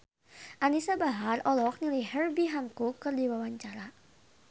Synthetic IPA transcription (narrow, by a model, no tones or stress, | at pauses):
ʔanisabaɦarɔlɔk̚nilijhərbiɦaŋkukːɨrdiwawaɲt͡ʃaɾa